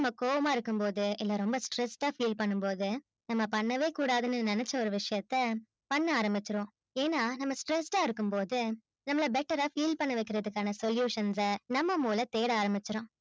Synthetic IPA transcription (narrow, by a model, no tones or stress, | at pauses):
ɐmːɐkoːʋɐmaːɪɾɯkːɯmpoːðɯɪlːɐɾɔmbɐsʈɾɛsʈaːfiːlpɐɳːɯmpoːðɯ | nɐmːɐpɐɳːɐʋeːkuːɽaːðɯnɯnɛnɛt͡ʃːɐɔɾɯʋɪʂɐjɐt̪ːɐ | pɐɳːɐaːɾɐmbɪt͡ʃːɪɾõː | eːnaːnɐmːɐsʈɾɛsʈaːɪɾɯkːɯmpoːðɯ | nɐmːɐɭɐbɛʈːɐɾaːfiːlpɐɳːɐʋɐɪkːɪɾɐðɯkːaːnɐsɔljuːʂɐnsɐnɐmːɐmuːlɐt̪eːɽaːɾɐmbɪt͡ʃːɪɾõː